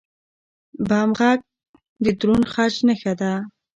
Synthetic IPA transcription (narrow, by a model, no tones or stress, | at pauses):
bɑmɣaɡ̚ | d̪əd̪ɾunxat͡ʃnəxad̪a